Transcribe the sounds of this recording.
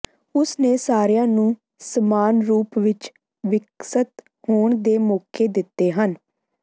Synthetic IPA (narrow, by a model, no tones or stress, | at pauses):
ʊsneːsaːɾjãːnũː | səmaːnɾuːpʋɪt͡ʃ | ʋɪksət̪ | hoːɳd̪eːmoːkʰeːd̪ɪt̪ːeːɦən